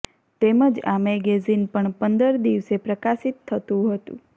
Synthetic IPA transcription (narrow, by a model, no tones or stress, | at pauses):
t̪eməd͡ʒameɡezinpəɳpənd̪əɾd̪iʋsepɾəkasit̪ʰːət̪ũɦət̪ṵ̃